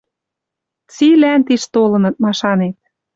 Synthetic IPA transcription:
t͡silænt̪iʃt̪olɤ̆nɤ̆t̪̚mɑʃɑnet̪̚

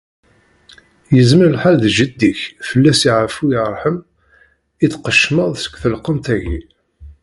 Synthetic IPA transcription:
jəzməɾəlħalðʒəd̪ːiçfəlːæsiʕəfujɑrˤħəm | iðqəʃməðˤsə̥kʷːθəlqənt̪æʝḭ

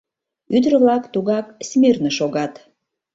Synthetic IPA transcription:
yd̪ɾə̆βlɑkt̪uɣɑksmernəʃoɣɑt̪

